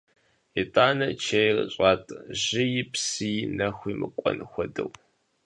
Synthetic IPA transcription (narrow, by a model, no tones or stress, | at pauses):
ɪtʼaːnɐt͡ʃʰɐjr̰ɕʼaːtʼʑɪjɪpsɨjnɐxʷiːmɨkʷʼɔ̰nɨxʷɔdɨ̰w